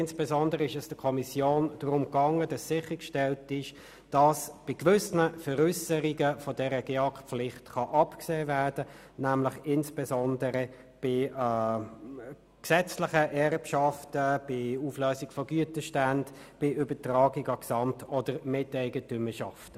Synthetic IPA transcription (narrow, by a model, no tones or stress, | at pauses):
ɪnsb̥ɛzɔndəʁəɪʃɛsd̥əkʰɔmisjoːnd̥ʁʊmkɑŋːəd̥ɑssɪχəkʃtɛltɪʃ | d̥ɑsb̥ɪkʋʏsnəfəʁʏsəɾiɡəfɔdɛɾəɡ̥eɑkpflɪχtχɑʔɑpkseːvæʁdə | næmlɪχɪnsb̥ɛzɔndəɾə | b̥ɪ | ksɛt͡slɪχəʔɛrpʃɑftəb̥ɪuːflœːsikfɔɡyətəʃtænd | b̥ɪʔʏbətrɑːɡiɡɑksɑmtɔdəɾmɪtɛɪɡətʏməʃɑftə